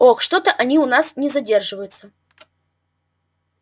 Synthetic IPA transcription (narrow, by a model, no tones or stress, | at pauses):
oxʂt̪ot̪əʔɐnʲiʊnasnʲɪzɐdʲe̞rʐɨvəjʊt̪sə